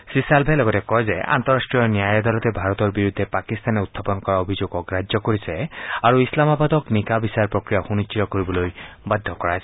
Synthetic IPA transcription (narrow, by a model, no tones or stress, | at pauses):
sisalbʱelɔɡɔtekɔjzea̰nt̪ɔɾasʈɹijɔnjajɔd̪alɔt̪ebʱaɾɔt̪ɔɹbiɾud̪ʱːepakist̪aneut̪ʰːapɔnɔkɔɹaobʱizoɡɔkɾad͡ʒjɔkoɹisɛaɹuislamabad̪ɔknikabisaɔɹpɹɔkɹijaxunit͡ʃːitɔkoɹibɔlojbad̪ʱːɔkɔɹajs